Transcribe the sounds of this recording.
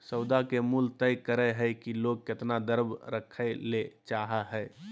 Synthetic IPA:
səʊd̪akemult̪əjkəɾəɦəɪkiloɡ̚ket̪nad̪əɾbɾəkʰːəlet͡ʃaɦaɦɛɪ

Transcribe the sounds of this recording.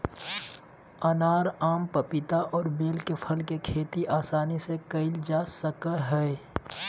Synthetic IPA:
ɐnaːɾaːmpəpɪt̪aʔɔːɾbeːlkepʰɐlkekʰeːt̪iʔaːsaːnisekəɪld͡ʒaːsəkaɦɛe

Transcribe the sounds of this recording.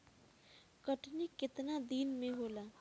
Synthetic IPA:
kəʈʰnikːɪt̪nad̪iːnmẽɦolaː

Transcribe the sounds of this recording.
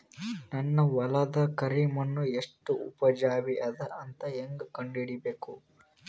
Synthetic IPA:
nɐnːɐʋɐlɐd̪ɐkɐɾimɐnːueʂʈuupɐd͡ʒaːʋiʔɐd̪ɐʔɐnt̪ɐeŋɡukɐɳɖiɽibe̞ːku

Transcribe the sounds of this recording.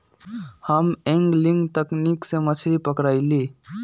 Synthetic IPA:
həmɛ̃ŋɡlɪŋɡt̪əkniksemət͡ʃʰɾipəkɾaːɪli

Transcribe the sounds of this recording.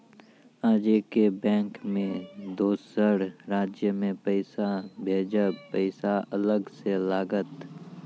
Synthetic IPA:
aːd͡ʒekebɛ̃ːŋkmẽd̪oːsəɽɾaːd͡ʒjəmẽpəɪsabʱeːd͡ʒəpəɪsaɐləɡselaːɡət̪

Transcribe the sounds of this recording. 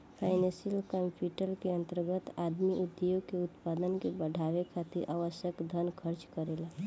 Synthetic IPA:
pʰaːɪnesiəlkəmpʰjuʈəlkeə̃nt̪əɾɡət̪aːd̪miʔʊd̪ejokeʊt̪pad̪ənkebəɖʱaʋekʰat̪iɾʔaːʋəʃjəkd̪ʱənkʰəɾt͡ʃkəɾela

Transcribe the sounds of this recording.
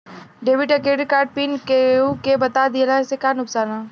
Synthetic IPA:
ɖeːʋɪʈekeːɖkaːɾɖ̚piːnkeũkebɐt̪ad̪ilasekaːnʊksaːna

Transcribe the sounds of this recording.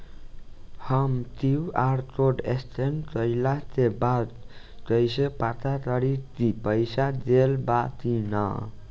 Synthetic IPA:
hʌmt̪iwaɾt̪oɖest̪ʰent̪ʌjlat̪ebad | t̪ʌjsepat̪at̪ʌɾit̪ipʌjsad͡zelbat̪inʌ̰

